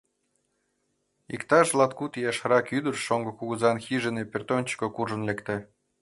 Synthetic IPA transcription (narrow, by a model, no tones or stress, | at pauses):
ikt̪ɑʒlɑt̪̚kut̪jɑʃɑɾɑkyd̪ərʃoŋɡŏkuɣəzɑnxiʒenepʲert̪onʲt͡ɕkokuʒə̆nlekt̪ĕ